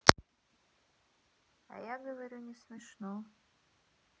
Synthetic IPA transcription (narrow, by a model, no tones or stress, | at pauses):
a̰jaɡəvɐɾʲunʲɪsmʲɪʂno